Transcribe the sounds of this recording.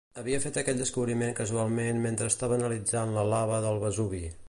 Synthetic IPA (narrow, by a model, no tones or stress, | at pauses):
əβiəfet̪əkɛt̪̚d̪əskuβɾimeŋkəzualˠmenment̪ɾəːst̪aβənəlid͡zanləlaβəðəlˠβəzuβi